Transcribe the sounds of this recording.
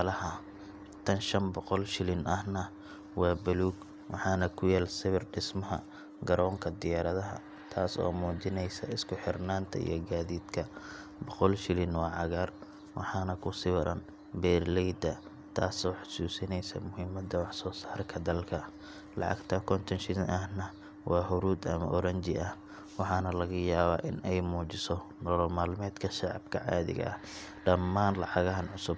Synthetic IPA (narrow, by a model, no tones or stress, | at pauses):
lɐɦɐ | t̪ʰɐnʃɐnbɔqɔlʃɪlɪnɐhnɐ | wɑːbʊluːɡ | wɑħɑːnɐkʰʊjɛːlsɪβɪrɖɪsmɐɦɐ̰ | ɡɐɾɔːŋkʰɐd̪ɪjaːɾɐðɐɦɐ̰ | t̪ʰaːsɔ̰ːmuːt͡ʃɪnɛjsɐɪskʰʊħɪrnaːnt̪ʰɐ̰ḭjɔɡaːðiːd̪kʰɐ | bɔqɔlʃɪlɪnwɑːʕɑɣaːr | wɑ̰ħɑːnɐkʰʊsɪwɐɾɐ̰n | bɛːrlɛjd̪ɐ | t̪ʰaːsɔːħʊ̥suːsɪnɛjsɐ̰mʊhɪmɐd̪ɐwɑħsɔːsaːrkʰɐd̪ɐlkʰɐ | lɑ̰ʕɑ̰ɡt̪ʰɐkʰɔnt̪ʰɔnʃɪðnʔɐhnɐ | wɑːɦʊɾuːd̪ɐ̰mɐ̰ʔɔɾɐɲt͡ʃɪʔɐh | wɑħɑːnɐlɐɣɐjaːβaːʔɪnɛjmuːt͡ʃɪsɔ | nɔlɔmaːlmɛːd̪kʰɐʃɑʕɑ̰b̚kʰɐʕɑ̰ːðɪ̰ɣɐ̰ʔɐ̰h | ɖɐmːaːnlɑʕɑɣɐɦɐnʕʊsʊb̚